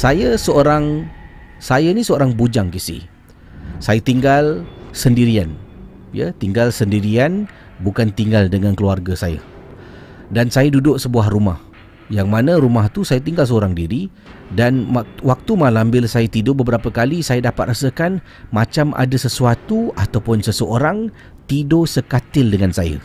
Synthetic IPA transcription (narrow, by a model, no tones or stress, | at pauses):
sajəsəoɾaŋ | sajanisəoɾaŋbud͡ʒaŋkisḭ | sajat̪iŋɡalsəndiɾian | ja̰t̪iŋɡalsəndiɾian | bukant̪iŋɡaldəŋãnkəluarɡasaja̰ | dansajadudʊʔsəbuahrumah | jaŋmanãɾumaht̪usajat̪̬iŋɡalsəoɾaŋdiɾi | danwak̚t̪umalambɪlsajət̪idobəbəɾapəkalisajədapat̪̚rasəkan | mat͡ʃamʔa̰dasəsuat̪uat̪awpʊnsəsəoɾaŋ | t̪idosəkat̪ɪldəŋansajə̰